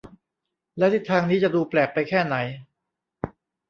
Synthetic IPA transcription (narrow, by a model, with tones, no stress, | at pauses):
lɛ˦˥t̪ʰi˧˩t̪ʰːaː˧ŋniː˦˥t͡ɕa˨˩duː˧plɛː˨˩k̚pa˧jkʰɛː˥˩na˩˦j